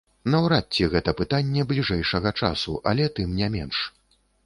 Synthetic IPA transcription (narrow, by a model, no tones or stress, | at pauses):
nɐwɾatʲːiɣɛt̪ɐpɨt̪anʲːɛblʲiʐɛjʂɐɣɐt͡ʂa̰sṵʔɐ̰lʲɛt̪ɨmnʲɛmʲɛnʂ